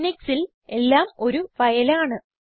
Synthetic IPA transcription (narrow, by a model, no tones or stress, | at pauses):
niksil | e̞lːaːmo̞ɾuʋɐjɐlaːɳɨ